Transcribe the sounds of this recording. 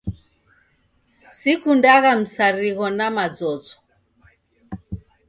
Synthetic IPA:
sikundaɣam̩saɾiɣɔnamad͡zɔzɔ

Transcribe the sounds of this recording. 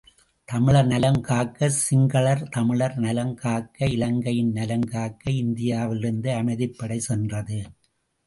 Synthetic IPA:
t̪ɐmɪɭɐɾnɐlɐmkaːkːɐsɪŋɡɐɭɐɾt̪ɐmɪɭɐɾnɐlɐmkaːkːɐɪlɐŋɡɐjɪnnɐlɐmkaːkːɐɪnd̪ɪjaːʋɪlɪɾɯnd̪ɯɐmɐɪðɪpːɐɽɐɪsɛndrɐðɯ

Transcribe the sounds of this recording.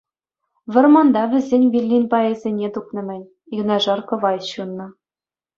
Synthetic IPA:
ʋʲɘ̆rmɑnd̪ɑʋʲɘ̆zʲenʲvʲilʲːinʲpɑĕzʲenʲet̪uknɤ̆mʲɘ̆nʲ | inɑʐɑrkɤ̆ʋɑjɕunːɤ̆

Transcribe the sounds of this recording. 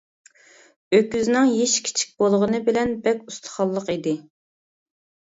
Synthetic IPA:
økʲyznɪŋjeʃkʲʰi̥t͡ʃʰi̥k̚ʲb̥olˠʁənɨbɪlɛnbɛkʲust̪ʰə̥χɑlˠːəqid̪ɪ

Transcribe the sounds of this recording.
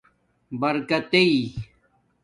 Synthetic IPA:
bɐɾkɐt̪ei

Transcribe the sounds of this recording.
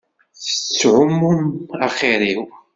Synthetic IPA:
θə̥t͡sːʕʊmːʊmæχiɾiw

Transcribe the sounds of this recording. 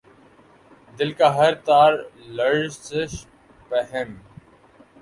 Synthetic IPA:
d̪ɪlkaːɦəɾt̪aːɾləɽsɪʃ | pəɦɪn

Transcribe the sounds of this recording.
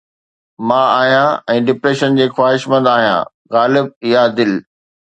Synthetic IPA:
mãaːɦijãɛ̃ːɖɪpɾeːʃənd͡ʑeːxwaːɦɪʃmɐ̃nd̪aːɦijã̰ː | ɣaːlɪb̚ɪjad̪ɪl

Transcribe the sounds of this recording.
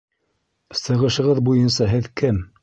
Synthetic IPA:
sɤ̆ʁɤ̆ʃɤ̆ʁɤðbujɤnsɑɦɘðkɘm

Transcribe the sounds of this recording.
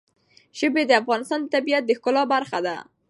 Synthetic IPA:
ʒəbed̪əafɣɑnɪst̪ɑnd̪ət̪abijat̪̚d̪əxkʊlɑbaɾxad̪a̰

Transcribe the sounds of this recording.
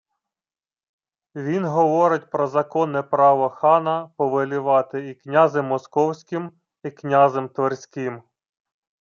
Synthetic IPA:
ʋʲinɦɔʋɔɾɪtʲpɾɔzɐkɔnɛpɾɑʋɔxɑnɐpɔʋelʲʊʋɑt̪ɪiknʲɑzɪmːɔskɔwsʲkʲɪm | iknʲɑzemt̪ʋɔrsʲkɪm

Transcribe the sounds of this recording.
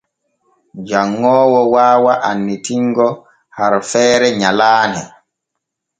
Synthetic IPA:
d͡ʒaŋːɔːwɔwaːwaʔanːitiŋɡɔ | haɾfɛːɾɛɲalaːnɛ

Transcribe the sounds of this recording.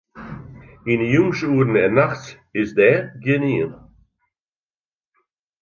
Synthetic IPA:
injumʃuːɾn̩ɛnaxt͡s | ɪzd̪ɛɡɪniːl

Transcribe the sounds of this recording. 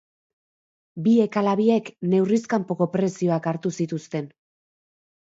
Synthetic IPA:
bie̞kalaβie̞kne̞wriskampo̞ko̞pɾe̞sio̞akaɾt̪usit̪ust̪e̞n

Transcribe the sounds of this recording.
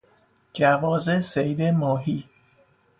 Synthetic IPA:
d͡ʒævɒːzesejd̪emɒːɦiː

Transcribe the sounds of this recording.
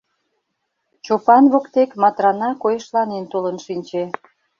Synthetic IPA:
t͡ɕopɑnβokt̪ekmɑt̪ɾɑnɑkojĕʃlɑnent̪olənʃinʲt͡ɕe

